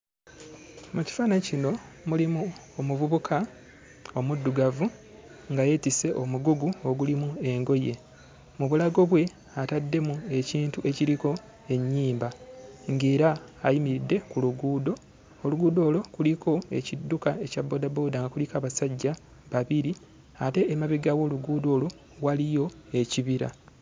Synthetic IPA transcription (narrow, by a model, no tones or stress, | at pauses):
muci̥faːnacino̞ | mulimu | omuvuβukʰa | o̞mudːuɡavu | ŋɡaje̞tise̞ʔo̞muɡuɡuo̞ɡulimue̞ŋɡo̞je̞ | muβulaɡo̞βwe̞ | atadːe̞mue̞ciːntuʔe̞ciɾiko̞ | e̞ɲːiːmbaŋɡeːɾaːjimiɾidːe̞kuluɡuːdo̞ | oluɡuːdo̞ːlo̞kuliko̞ecidːukae̞cabːo̞ːdabo̞ːdaŋɡakulikaːβasaɟːa | βaβiɾi | ate̞ʔːmaβiɡawo̞luɡuːdo̞ːlo̞ | walijo̞e̞ciβiɾa̰